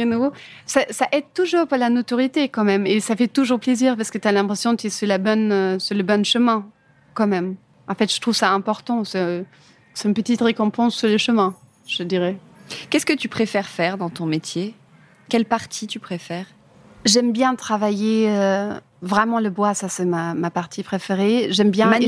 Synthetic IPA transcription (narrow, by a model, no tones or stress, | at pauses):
ɛnuosasaʔɛd̪̚t̪uʒuːʁpaʁlanot̪ɔʁjit̪ekɑ̃mɛmesafɛt̪uʒuʁpleziːʁpaʁsə̥kət̪yalɛ̃pχesjɔ̃d̪ət̪yɛsyʁlabɔnøsyʁləbɔnʃəmɛ̃ | kɑ̃mɛm | ɑ̰̃fɛt̪ʒ̥ət̪χuvsaɛ̃pɔʁt̪ɑ̃sɛ | sɛ̥t̪ynpət̪it̪ʁekɔ̃pɑ̃sːuʁləʃəmɛ̃ | ʒ̥əd̪iʁɛ | kɛskət̪ypχefɛʁfɛʁd̪ɑ̃t̪ɔ̃met̪ʰje | kʲɛlpaʁt̪ʰit̪ypχefɛːʁ | ʒɛmbjɛ̃t̪χavajeø | vʁɛmɑ̃ləbwasasɛmamapaʁt̪ʰipχefeʁeʒɛmbjɛ̃